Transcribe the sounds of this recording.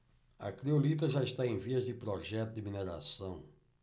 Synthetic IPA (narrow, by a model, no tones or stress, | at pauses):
ɐ̰kɾiolit̪̬ɐʒaɪst̪aẽj̃viɐzd̪ɪpɾɔʒɛt̪ʊd̪ɪmineɾa̰sɐ̃w̃